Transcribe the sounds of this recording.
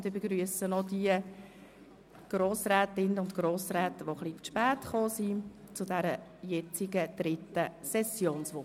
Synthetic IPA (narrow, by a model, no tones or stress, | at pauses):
viːbeɡɾyəsənɔdiə | ɡ̥roːsrɛːtɪnəʊntɡ̥roːsrɛːt̪əʋoχlifʃpæːtχoːsit͡sʊdæɾəjɛt͡sɪɡəd̪̥ɾɪtːəsɛsjoːnsʋʊ